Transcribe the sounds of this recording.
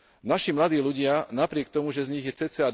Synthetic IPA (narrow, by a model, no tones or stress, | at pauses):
naʃimlad̪iːluɟɪanapɾɪɛkt̪ɔmuʒɛzɲiɣjɛt͡sɛt͡sɛad